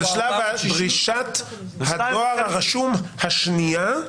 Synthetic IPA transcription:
aʃlabedʁiʃat̪ | haoaʁhaʁaʃumhaʃnia

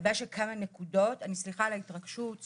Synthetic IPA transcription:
baʃekʰamanekudo̞tanisliχaleit̪ʁaɡʃut

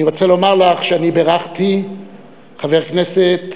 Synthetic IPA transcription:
iʁo̞t͡selo̞maʁlaχʃeanibeʁaχt̪i | χaveʁkneset̪

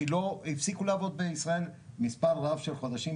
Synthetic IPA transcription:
loifsikuleavo̞d̪̚beisʁae̞lmispaʁːavʃe̞lχo̞d̪aʃim

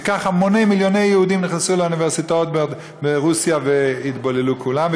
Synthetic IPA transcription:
kaχamonejmiljo̞ne̞jːehud̪imniχnesuleuniveʁsit̪aot̪bed̪ | beʁusjaveit̪bolelukʰulamv

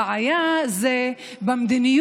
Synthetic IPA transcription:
ajaze | bɐmd̪inij

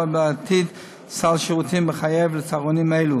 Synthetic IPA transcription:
abeat̪ʰid̪ | salʃeʁutimbəχajevlət͡saʁonimaelu

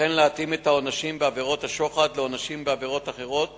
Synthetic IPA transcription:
enleat̪ime̞t̪ao̞naʃimbeave̞ʁo̞t̪aʃo̞χad̪leo̞naʃimbeave̞ʁo̞t̪aχe̞ʁo̞t̪̚

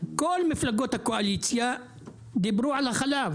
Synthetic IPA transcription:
kʊlːmɪflaɡoːt̪akoʔaliːsja | d̪ɪbɾuːʕalaxalaːf

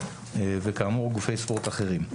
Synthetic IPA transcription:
evekaːmuʁɡufe̞jspoʁt̪aχe̞ʁim

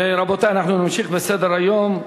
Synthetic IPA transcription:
ɾˤɑbot̪aːnaħnunɪmʃiːxbɪsed̪ɾajːoːm

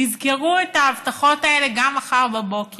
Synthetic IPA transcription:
izkeʁuetaːvtaχo̞tae̞le̞ɡamaχaʁbabo̞ke

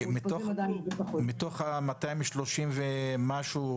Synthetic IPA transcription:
mit̪od̪amit̪oχamat̪ajmʃloʃimvemaʃu

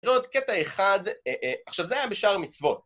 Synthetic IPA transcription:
ʁot̪ketaeχad̪eʔaχʃavzeajabeʃaʁmit͡svo̞t̚

